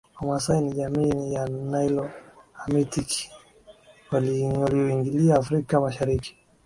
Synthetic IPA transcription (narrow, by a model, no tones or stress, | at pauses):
ɔmasainiʄamiːjanajlɔamitiki̥ | walwaliɔiŋɡiliaːfɾikamaʃaɾiki̥